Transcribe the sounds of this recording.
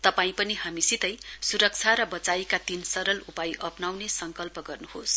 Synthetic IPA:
t̪ʌpaĩpʌnihamisit̪ʌjsuɾʌk̚t͡sʰaɾʌbʌt͡sajikat̪insʌɾʌlupajʔʌpnawnesʌŋkʌlpʌɡʌrnuhos

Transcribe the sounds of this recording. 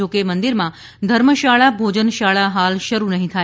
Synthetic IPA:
okemənd̪iɾmã | d̪ʱəɾməʃaɭabʱod͡ʑənʃaɭaɦalʃəɾunəɦĩt̪ʰa

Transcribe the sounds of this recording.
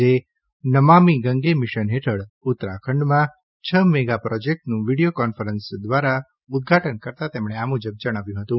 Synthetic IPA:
e | nəmamiɡəŋɡemiʃənɦeʈʰəɭʊt̪ɾa̰kʰəɳɖmã | t͡ʃʰəmɛɡapɾɔd͡ʒek̚ʈnũʋiɽijokɔnfəɾənsd̪ʋaɾa | ʊd̪̚ɡʱaʈənkəɾt̪at̪emɽ̃eamud͡ʒəb̚d͡ʒəɽ̃aʋjũɦət̪ũ

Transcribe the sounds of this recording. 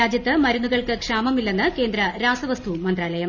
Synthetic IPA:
aːd͡ʑjɐt̪ːɨmɐɾunːuɣɐɭkɨkʂaːmɐmilːenːɨke̞ːnd̪ɾɐɾaːsɐʋɐst̪ʰumɐnd̪rɾaːlɐjɐm

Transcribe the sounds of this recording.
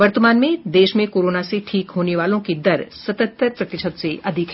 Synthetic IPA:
ʋɐɾt̪əmaːnmẽd̪eːʃmẽkoːɾoːnaseʈʰiːkɦoːneʋaːlõkid̪ɐɾsɐt̪ə̃t̪ːəɾpɾɐt̪ɪʃət̪seʔɐd̪ʱɪk

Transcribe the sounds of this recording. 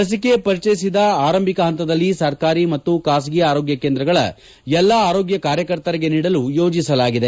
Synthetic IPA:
ɐs̬ike̞pɐɾit͡ʃɐjisid̪ɐaːɾɐmbʱikɐɦɐnt̪ɐd̪ɐlːisɐɾkaːɾimɐt̪ːukaːs̬ɡijaːɾoːɡjɐkeːnd̪ɾɐɡɐɭɐ̰ | jɛlːɐaːɾo̞ːɡjɐkaːɾjɐkɐɾt̪ɐɾiɡe̞niːɽɐlujo̞ːd͡ʒisɐlaːɡid̪e

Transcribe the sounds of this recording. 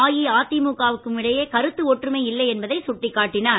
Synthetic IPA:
aːjiaːt̪ːimuːkaːʋɯkːɯmɪɽɐjeːkɐɾɯt̪ːɯɔʈrɯmɐɪɪlːɐɪɛnbɐðɐɪsʊʈːɪkːaːʈːɪnaː

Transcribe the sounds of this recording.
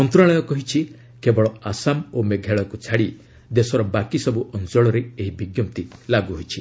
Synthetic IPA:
ɔnt̪ɾaɭɔjɔkɔɦit͡ʃʰi | kebɔɭɔasamomeɡʱeɭɔkut͡ʃʰaɽi | d̪esɔɾɔbakisɔbuʔɔnd͡ʒɔɭɔɾeeɦibiɡjɔpt̪ilaɡuɦojt͡ʃʰi

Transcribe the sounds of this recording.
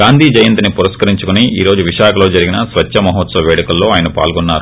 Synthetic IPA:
aːnd̪ʱiːd͡ʒɐjɐnt̪inipuɾɐskɐɾiɲt͡ʃukuniiːɾo̞ːd͡ʒuʋiʃaːkʰɐlo̞ːd͡ʒɐɾiɡinɐsʋɐt͡ʃʃɐmɐɦɔt̪sɐʋɛːɽikɐlːo̞ːaːjɐnɐpa̰ːlɡɔnːaːɾu

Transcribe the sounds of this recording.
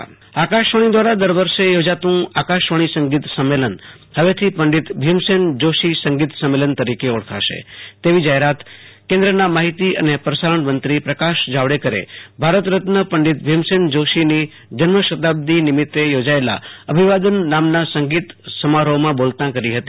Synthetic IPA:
akaʃʋəɳ̃id̪ʋaɾad̪əɾʋəɾʃejod͡ʒat̪ũakaʃʋəɽ̃isə̃ŋɡit̪səmːelən | həʋet̪ʰipəɳɖit̪bʱimsend͡ʒoʃisəŋɡit̪səmːelənt̪əɾikeɔɽkʰa̰ʃḛt̪eʋid͡ʒaɦeɾat̪kẽnd̪ɾənamaɦit̪iʔə̰nepɾəsaɾəɳmənt̪ɾipɾəkaʃd͡ʒaʋɽekəɾḛbʱaɾət̪ɾət̪nəpəɳɖit̪̚bʱimsend͡ʒoʃini | d͡ʒənməʃət̪ab̚d̪inɪmɪt̪ːejod͡ʒaela̰əbʱiʋad̪ənːamnasəŋɡit̪səmaɾomãbolt̪ãkəɾiɦət̪i

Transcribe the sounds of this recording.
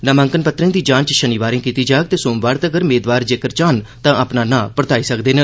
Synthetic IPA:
nəmə̃ŋkənpət̪ɾə̃ːd̪iːd͡ʒãːnt͡ʃʃəniːʋaːɾẽːkiːt̪iːd͡ʒaːk̚t̪eːsoːmʋaːɽt̪aəɡəɾmeːd̪ʋaːɾd͡ʒeːkəɾt͡ʃaːnt̪ãːəpnaːnãːpəɾt̪aːiːsəkd̪eːnə

